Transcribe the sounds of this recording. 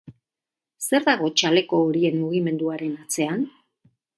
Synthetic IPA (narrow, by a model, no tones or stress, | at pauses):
se̞ɾðaɣ̞o̞t͡ʃale̞ko̞ːɾie̞nmuɣ̞ime̞nd̪uaɾe̞nat͡se̞an